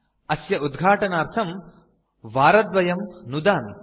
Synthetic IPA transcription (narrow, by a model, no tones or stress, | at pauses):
ɐsjɐud̪ɡʱaːʈɐnaːɾt̪ʰɐm | ʋaːɾɐd̪ʋɐjɐmnud̪aːmi